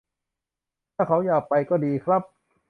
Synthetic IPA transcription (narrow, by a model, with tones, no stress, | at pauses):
t̪ʰaː˥˩kʰa˩˦˥wjaː˨˩k̚pa˧jkɔː˥˩diː˧kʰɾa˦˥p̚